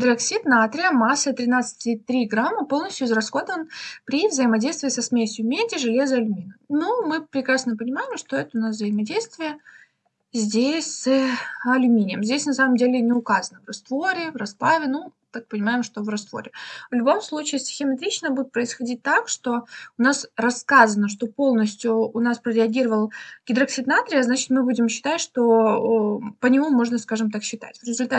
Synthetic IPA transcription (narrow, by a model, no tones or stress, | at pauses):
d̪ɾɐksʲit̪nat̪ɾʲɪəmasːət̪ɾʲɪnat̪sɨ̥tʲɪt̪ɾʲiɡɾamːɨpo̞lˠnəsʲtʲjʊɪzrɐsxo̞d̪əvənpɾʲivzəɪmɐdʲejst̪vʲɪːsɐsmʲesʲjʊmʲedʲɪʐɨlʲezəɐlʲʊmʲinənumɨpɾʲɪkɾasnəpənʲɪmaɪmʂt̪o̞ɛt̪əʊnavzəɪmɐdʲejst̪vʲɪjə | zʲdʲesʲsəɐlʲʊmʲinʲɪjəmzʲdʲesʲnɐsaməmdʲelʲɪnʲɪʊkazənəvrɐst̪vo̞ɾʲɪvrɐsplˠavʲɪnu | t̪ak̚pənʲɪmajɪmʂt̪o̞vrɐst̪vo̞̰ɾʲɪvlʲʊbo̞mslˠut͡ɕiːsʲtʲɪ̥xʲɪmʲɐt̪ɾʲit͡ɕnəbudʲɪt̪pɾəɪsxɐdʲit̚ʲt̪akʂt̪o̞ʊnasrɐskazənəʂ̬t̪o̞po̞lˠnəsʲtʲjʊːnaspɾəɾʲɪɐɡʲiɾəvəlˠɡʲɪd̪ɾɐksʲɪd̪nat̪ɾʲɪɐznat͡ɕɪ̥t̪mɨbudʲɪmɕːɪ̥t̪atʲʂt̪o̞ | pənʲɪmumo̞ʐnəskaʐɨmt̪akɕːɪt̪a̰tʲvɾʲɪzʊlʲt̪a